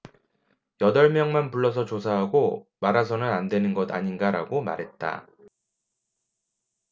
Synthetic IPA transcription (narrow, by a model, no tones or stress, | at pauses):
jʌdʌɭmjʌŋmanpuɭːʌs̬ʰʌt͡ɕos̬ʰaɦaɡomaɾasʰʌnɯnandwe̞nɯnɡʌda̰ɲinɡaɾa̰ɡoma̰ɾɦe̞t̚t͈a̰